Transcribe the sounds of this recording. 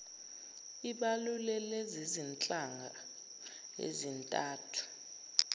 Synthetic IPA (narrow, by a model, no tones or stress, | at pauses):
iɓalulɛlezizint͡ɬʼaŋɡʱa | ḛzintʼaːtʰu̥